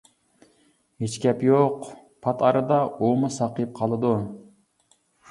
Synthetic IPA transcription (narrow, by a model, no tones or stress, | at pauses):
het͡ʃkʲɛpjoqpʰɑt̪ʰɑɾɨd̪ɑomɨsɑqəp̚qʰɑlˠɨd̪u